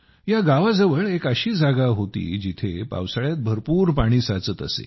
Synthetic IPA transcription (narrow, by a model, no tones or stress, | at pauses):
jaɡaʋad͡zəʋəɭekəɕiːd͡zaɡaɦot̪ḭːd͡ʑit̪ʰepa̰wsaɭjat̪̚bʱəɾpuːɾpaɽ̃iːsat͡sət̪əsḛ